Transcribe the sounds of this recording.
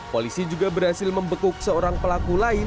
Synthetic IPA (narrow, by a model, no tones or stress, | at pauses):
kolisid͡ʒuɡabərhasɪlməmbəkʊk̚səoɾaŋpəlakulaɪ